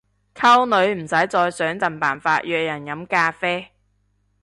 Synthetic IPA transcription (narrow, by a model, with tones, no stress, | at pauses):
kʰɐ˥wnɵ˨˥ɥm̩˨˩sɐ˨˥jt͡sɔː˧jsœː˨˥ŋt͡sɐ˨˩npaː˨˩nfaː˧t̚jœː˨˧k̚jɐ˨˩njɐ˨˥mkaː˧fɛː˥